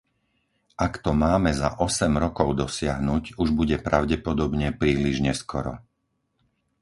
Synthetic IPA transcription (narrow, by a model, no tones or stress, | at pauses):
ʔakt̪ɔmaːmɛza̰ʔɔsɛmɾɔkɔʊd̪ɔsɪaɦnuɟuʒbuɟɛpɾaʊɟɛpɔd̪ɔbɲɛpɾiːliʒɲɛskɔɾɔ̰